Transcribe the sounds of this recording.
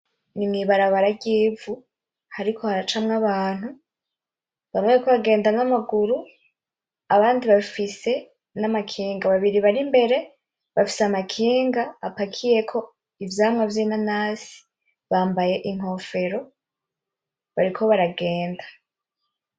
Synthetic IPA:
nimŋiβaɾaβaɾaɟiːvu | haɾikʰo̞haɾat͡ʃamŋaβaːn̥hu | βamŋekoβaɡe̞ːndanamaɡuɾu | aβaːndiβafise̞ | namakʰiːŋɡaβaβiɾiβaɾimbe̞ɾe̞ | βafi̥samakʰiːŋɡaːpakʰije̞kʰo̞ | ivjaːmŋavjinanaːzi̥ | βaːmbaje̞ʔiŋ̥ɦo̞fe̞ɾo̞ | βaɾikʰo̞βaɾaɡe̞ːndḁ

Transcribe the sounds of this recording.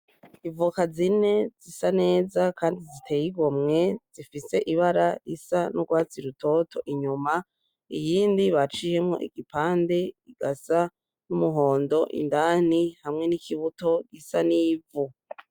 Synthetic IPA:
ivukazine̞zisane̞ːzakʰaːndizitʰe̞jiɡomŋe̞z̥ifise̞ʔiβaɾaisanuɡwaːt͡siɾutʰo̞tʰo̞ʔiɲuma | ijiːndiβat͡ʃihe̞mŋo̞̰ʔḭɡipaːnde̞iɡ̥asa | numuɦo̞ːndo̞ʔḭndaːn̥ihamŋe̞nikʰiβuto̞ɡisaniːvu

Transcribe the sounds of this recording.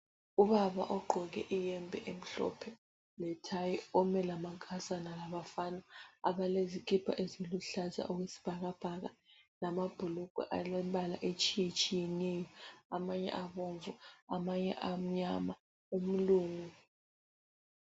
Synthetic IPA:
uβaβa̰ʔɔɡ͡ǃʱɔɣɛ̰ʔijɛmbʱɛʔem̩ɬɔ̰pʰɛ | lɛtʰajiɔmɛlamaŋkʼʰazanalaβafaːnaa̰βalezikʰipʰa̰ʔeziluɬaza̰ʔɔɣwesi̥b̥ʱaɣab̥ʱaɣalamab̥ʱulukṵʔaɛmbʱala̰ʔet͡ʃʼijɛt͡ʃʼijɛnɛjɔamaɲɛ̰ʔaβoɱvuamaɲɛ̰ʔam̩ɲama | um̩luːŋu

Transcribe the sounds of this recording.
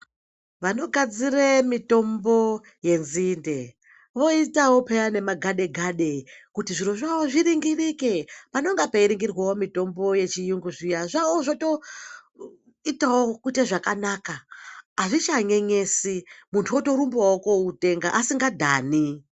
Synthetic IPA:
ʋano̞ɡʱad͡ziremito̞mbo̞ | je̞nzinde̞ | ʋo̞itawo̞pejane̞maɡʱaɗe̞ɡʱaɗe̞kutiʐiroʐaoʐiɾiŋɡirikepanoŋɡapaiɾiŋɡirwawo̞mito̞mbo̞je̞t͡ʃijuŋɡuʐijaʐawoʐoto̞ | itawokuteʐakanaːkaaʐit͡ʃaɲe̞ɲe̞simuntʰuoto̞ɾumbawokoute̞ŋɡaʔasiŋɡadʱaːni

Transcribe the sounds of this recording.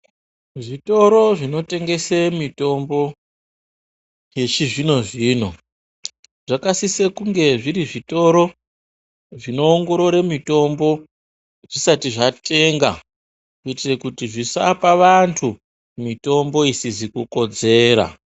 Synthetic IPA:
ʐito̞ɾo̞ʐino̞te̞ŋɡe̞semito̞mbo̞ | je̞t͡ʃiʐino̞ʐiːno̞ | ʐ̥akasisekuŋɡe̞ʐiɾiʐito̞ɾo̞ | ʐino̞ːŋɡo̞ɾo̞ɾemito̞mbo̞ | ʐisatiʐate̞ŋɡa̰ | kuitirekutiʐisapaʋantʰu | mito̞mbo̞isizikuko̞d͡ze̞ːɾa̰

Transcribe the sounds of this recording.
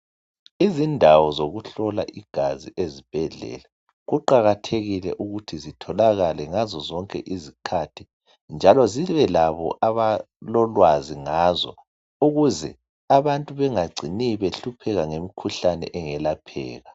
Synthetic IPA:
izindʱawɔzoɣuɬɔla̰ʔiɡ̥ʱaziʔezib̥ʱɛɮɛ̰ːla | ɣuǃaɣatʰeɣilɛ̰ʔuɣutʰizitʰɔlaɣalɛŋazɔzɔŋkʼɛ̰ʔizikʰatʰi | nd͡ʒʱalɔziβɛlaβɔ̰ʔaβa | lɔlwaziŋazɔ̰ | uɣuzɛ̰ | aβantʼuβɛŋaɡ͡ǀʱiniβeɬupʰɛɣaŋemikʰuɬanɛ̰ʔɛŋɛlapʰɛ̰ːɣa

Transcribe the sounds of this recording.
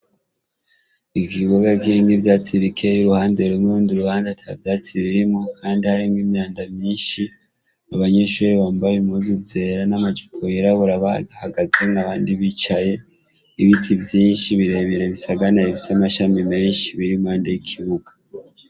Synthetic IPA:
ikiβuɡakiɾiŋɡivjaːt͡siβikʰe̞juɾuhaːndeɾumɾuːndiɾuhaːndatʰavjaːt͡siɾiimokʰaːndihaɾimwimɲaːndamɲiːnʃi | aβaɲeʃuːɾiβaːmbajemuzuze̞ːɾanamad͡ʒukʰojeɾaβuɾaβaɡahaɡazeŋaβaːndiβit͡ʃaje̞ | iβitʰivjiːnʃiβiɾe̞βiɾe̞βisaɡanaiβisamaʃamime̞ːnʃiβiɾimaːndejikʰiβuɡḁ

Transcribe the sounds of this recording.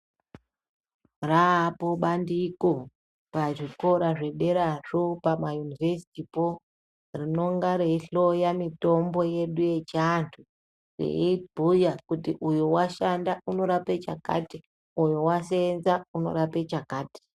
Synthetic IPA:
rapoɓandiko | paʐiko̞ɾaʐe̞ɗe̞ɾaʐopamajunivesi̥tipo | rino̞ŋɡaɾe̞iɬo̞jamito̞mbo̞je̞ɗuje̞t͡ʃantʰu | rḛibʱujakutiʔujuwaʃandauno̞ɾape̞t͡ʃa̰ka̰ːti | ujuwasenzauno̞̰ɾape̞t͡ʃakaːti̥

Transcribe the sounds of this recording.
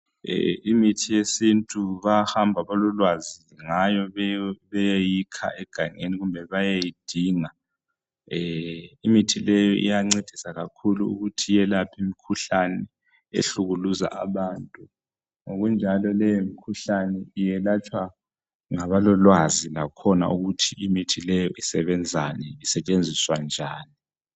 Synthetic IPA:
imitʰijesintʼuβahambʱaβalɔlwaziŋajɔβɛjejikʰa̰ʔɛɡ̥ʱaŋeniɣumbʱɛβajejid̥ʱiːŋa | imitʰilɛjɔʔḭjaŋ͡ǀed̥ʱisaɣakʰuluuɣutʰijɛlapʰimikʰuɬanɛ | ḛɬuɣuluza̰ʔa̰βaːntʼu | ŋoɣund͡ʒʱalɔlɛjomikʰuɬanɛijɛlat͡ʃʼwa | ŋaβalɔlwazilakʰɔna̰ʔuɣutʰiimitʰilɛjɔʔisɛβɛnd͡zʱanɛisɛt͡ʃʼend͡zʱiswand͡ʒʱaːni

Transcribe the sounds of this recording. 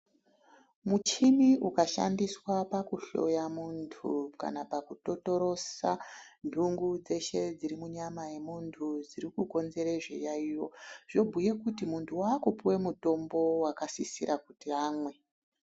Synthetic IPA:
mut͡ʃimiukaʃa̰ndiswapakuɬo̞̰jamuntʰṵka̰napakuto̞to̞ɾo̞sandʱuŋɡud͡ze̞ʃe̞d͡ziɾimuɲamaje̞muntʰud͡ziɾikuko̞nze̞ɾe̞ʐḛjaijo̞ʐ̥o̞bʱuje̞kutimuntʰuwaːkupuwe̞muto̞mbo̞wakasisiɾʔakutiaːmwe̞

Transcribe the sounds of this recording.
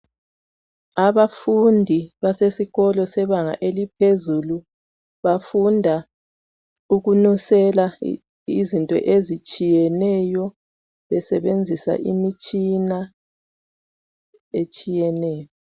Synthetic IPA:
aβafundʱiβasesiɣɔlɔsɛβaŋa̰ʔelipʰezulu | βafundʱa | uɣunusɛla | izintʼɔ̰ʔezit͡ʃʼijɛnɛjɔ | βɛsɛβend͡zʱisa̰ʔimit͡ʃʼina | et͡ʃʼijɛnɛːjɔ

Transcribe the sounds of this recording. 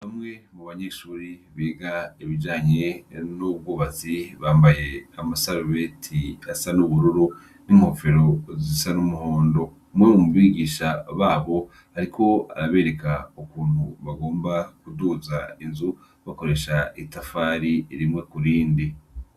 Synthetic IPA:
hamŋe̞muβaɲeːʃuːɾiβeːɡaiβid͡ʒaːɲe̞nub̚ɡuːβaziβaːmbaje̞amasaɾuβe̞tʰiasanuβuɾuɾu | niːm̥ho̞fe̞ɾo̞zisanumuho̞ːndo̞ | mwemumuβiɡiːʃaβaːβo̞ | haɾikʰo̞a̰ɾaβe̞ːɾe̞kaukuːn̥huβaɡo̞ːmbakuduːzainzu | βako̞ɾe̞ʃaitafaːɾiɾimŋe̞kuɾiːndi

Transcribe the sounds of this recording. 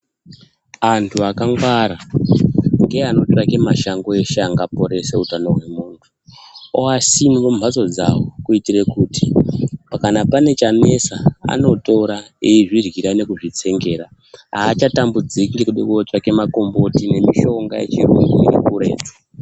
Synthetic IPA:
antʰuakaŋɡwaɾa | ŋɡe̞ano̞t͡ʃrake̞maʃaŋɡo̞e̞ʃeaŋɡapo̞ɾe̞seutano̞ɦwe̞muːntʰu̥ | oasimʋomat͡so̞d͡za̰wokuitire̞kutipakanapane̞t͡ʃane̞saa̰no̞toɾaejiʐirɣiɾane̞kuʐit͡se̞ŋɡe̞ɾa | aːt͡ʃatambud͡zikŋɡekuɗekuot͡ʃake̞mako̞mbo̞tine̞miʃo̞ŋɡa̰jḛt͡ʃirṵiinḛkuɾe̞̰ːto̥

